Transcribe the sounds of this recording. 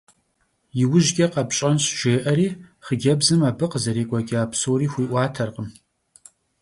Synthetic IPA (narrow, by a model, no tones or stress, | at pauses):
jɪwʊʒɡʲɐqɐpɕʼɐnɕʒ̥eːʔɐɾiːχəɡʲɐbzɨmaːbɨqəzɐɾeːkʷʼɐɡʲʼɪaːpsoːriːxʷiːʔʷɑːtʰɐrqəm